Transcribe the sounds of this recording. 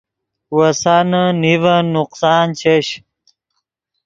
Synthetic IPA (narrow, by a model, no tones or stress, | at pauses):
wɐsanɐnivɐnuqsaːnt͡ɕʰeɕ